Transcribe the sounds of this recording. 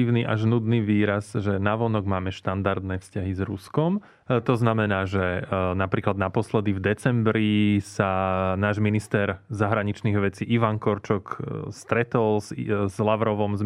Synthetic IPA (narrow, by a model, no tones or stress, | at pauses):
iʋniʔaʒnud̪niʋiːɾazʒɛnaʋɔnɔɡmaːmɛʃt̪and̪aɾd̪nɛːfscaɦizɾuskɔm | t̪ɔznamɛnaːʒɛnapɾiːklad̪napɔslɛd̪ivd̪ɛt͡sɛmbɾisanaːʒminist̪ɛɾzaɦɾaɲit͡ʃniɣʋɛt͡siʔiʋaŋkɔɾt͡ʃɔkst̪ɾɛt̪ɔlszlaʋɾɔʋɔmz